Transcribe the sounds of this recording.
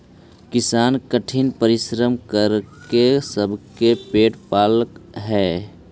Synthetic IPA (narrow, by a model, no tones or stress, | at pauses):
kɪsaːnkəʈʰinpəɾɪʃɾəmkəɾkesəbʱkepeːʈpaːlkɦɛː